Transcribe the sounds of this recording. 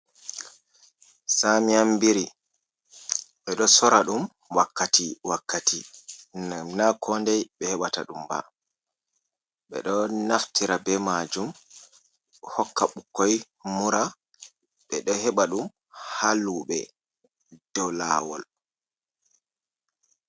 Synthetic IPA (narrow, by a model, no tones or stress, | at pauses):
samiambiɾi | ɓɛɗɔsɔɾaɗum | wakːatiwakːatinnakʰɔndɛjɓɛhɛɓata̰ɗumba̰ | ɓɛ̰ɗɔnaftiɾabɛmad͡ʒum | hɔkːaɓukːɔj | muɾa | ɓɛɗɔhɛɓaɗum | halːuɓɛ | d̥ɔla̰wɔ̰l